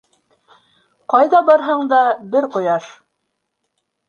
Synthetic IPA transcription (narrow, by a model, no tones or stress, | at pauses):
qɑjðɑbɑɾɦɤɴd̪ɑbɘɾqŏjɑʃ